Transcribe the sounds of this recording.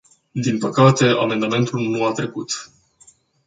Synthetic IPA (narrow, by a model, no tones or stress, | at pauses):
d̪inpəkat̪e̞a̰me̞nd̪ame̞nt̪ulnuat̪ɾe̞kut̪